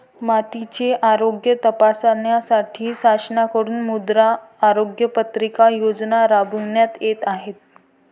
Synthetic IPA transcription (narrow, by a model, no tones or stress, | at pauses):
mat̪it͡ɕeʔaɾoɡjət̪əpasanjasaʈʰiːsasnakəɾuːnmud̪ɾaː | ɾoɡjəpət̪ɾikajod͡znaɾabuɳjat̪jet̪aɦet̪̚